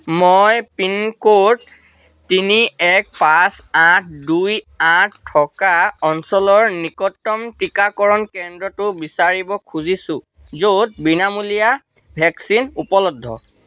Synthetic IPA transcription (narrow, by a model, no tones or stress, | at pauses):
mɔjpinkot | tiniɛk̚pasãt̚ʰduj | ãttʰːɔkaɔnsɔlɔɹnikɔtːɔmtikakɔɹɔnkɛndɹɔtʊbisaɹibɔkʰuzisʊ̃ | zod̚binamulija | bʱɛksinupɔlɔdʱːɔ̰